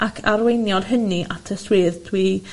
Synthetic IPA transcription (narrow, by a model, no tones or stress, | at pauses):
akʰaɾwejnjɔd̥ɦəniʔatʰəswɪːðdʰwi